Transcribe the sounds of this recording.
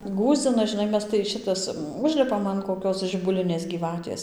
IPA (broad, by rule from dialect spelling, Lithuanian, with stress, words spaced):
ˈɡuːzʲd͡zʲɪnɐ ʒʲɪˈnɐɪ ˈmʲɛs tɐɪ ˈʃʲɪtɐs ˈʊʒʲlʲɪpɐm ɐn koːˈkʲoːs ʒʲɪbʊˈlʲɪnʲeːs ɡʲiːˈʋɑːtʲeːs